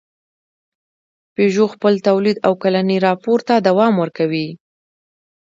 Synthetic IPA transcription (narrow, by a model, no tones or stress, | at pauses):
peʒoxpəlt̪awlid̪awkalaniɾɑpoɾt̪ad̪awɑmwəɾkawi